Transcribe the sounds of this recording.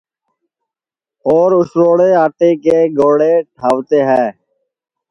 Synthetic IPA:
oːɾʊsɾoːɽeːaːʈeːkeːɡoːɽeːʈʰaːʋt̪eːɦɛː

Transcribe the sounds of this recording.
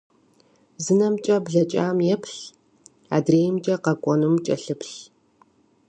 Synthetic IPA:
zɨnɐmt͡ʃʼɐbɮɐt͡ʃʼa̰ːmjɛpʰɬ | a̰ːdreːjmt͡ʃʼɐqɐkʷʼɔnumt͡ʃʼɐ̰ɬɨpʰɬ

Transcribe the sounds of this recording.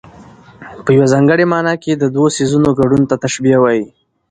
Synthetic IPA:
pəjawazɑŋɡəɽemɑnɑked̪əd̪wosizunoɡaɖunt̪at̪aʃbiawɑji

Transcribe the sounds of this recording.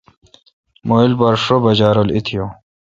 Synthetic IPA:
moilbɐɾʂobɐd͡ʑaːɾolḭt̪ʰijo

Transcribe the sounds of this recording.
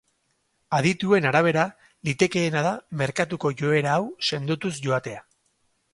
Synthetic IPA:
aðit̪ue̞naɾaβ̞e̞ɾa | lit̪e̞ke̞ːnað̞ame̞ɾkat̪uko̞ʝo̞e̞ɾaːwse̞nd̪ut̪usʝo̞at̪e̞a

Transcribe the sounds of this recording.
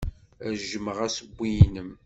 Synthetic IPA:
ʒəməʁæsəbʷːijnəm

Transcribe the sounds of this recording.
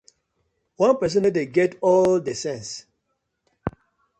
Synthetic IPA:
wãnpɛs̬ə̃nadeɡɛtɔldesɛ̃ns

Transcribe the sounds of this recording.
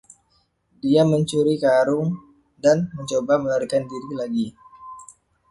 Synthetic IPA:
diaməɲt͡ʃuɾikaɾʊŋ | danməɲt͡ʃobaməlaɾikandiɾilaɡi

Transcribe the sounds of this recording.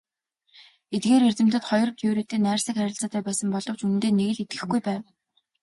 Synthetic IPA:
et̪̚ɡeːɾert͡sɘ̆m̥t̪ɘ̆t̪χɔjɞ̆rɞ̆t̪ʰuwɾeːt̪ʰeːnæːrsĭkæɾʲɪ̆ɬt͡saːt̪æːpæːsə̆mpɔɮɞ̆w̥t͡ɕunɘ̆nt̪eːneɣɘ̆ɮet̪̚ɡɘ̆xɡujpæːw

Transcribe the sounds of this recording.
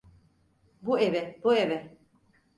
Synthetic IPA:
buevɛbuevɛ

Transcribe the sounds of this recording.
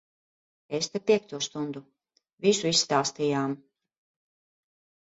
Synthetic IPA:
est̪epʲiɛk̚t̪uɔst̪und̪u | visuisːt̪aːst̪ijaːm

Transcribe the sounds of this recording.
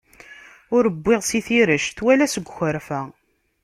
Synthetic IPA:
ʊɾəbːɪʁsiθiɾəʃt̪wælæsəɡʷːxəɾfæ

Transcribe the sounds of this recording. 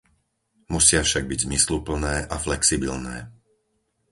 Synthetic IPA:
musɪafʃaɡ̚biɟzmislupl̩nɛːʔaflɛksibilnɛ̰ː

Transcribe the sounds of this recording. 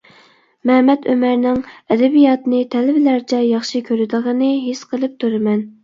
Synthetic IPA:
mɛhmɛt̪ømæɾnɪŋɛd̪ɛbijɑt̪ɨnɨt̪ʰɛlɪbɪlæɾt͡ʃʰɛjɑχʃikʲʰøɾɪd̪əʁənɨɦesqʰəlˠɨp̚t̪ʰuɾɪmɛn

